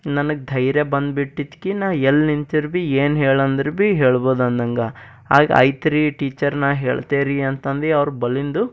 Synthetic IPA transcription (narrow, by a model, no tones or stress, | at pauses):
nɐnɐɡed̪ʱɐjɾjebɐnd̪biʈːit̪kinaːʋelnint̪iɾbieːnɦeːɭɐnd̪ɾbiɦeːɭboːd̪ɐnd̪ɐŋɡɐ | a̰ːɡ̰ɐ̰jt̪ɾiʈiːt͡ʃɐɾnaːɦḛːɭt̪eːɾiɐnt̪ɐnd̪ɾiɐʋɾubɐlind̪u